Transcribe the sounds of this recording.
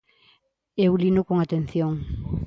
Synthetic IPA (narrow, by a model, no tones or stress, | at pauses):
ewlinʊkoŋat̪en̟θjoŋ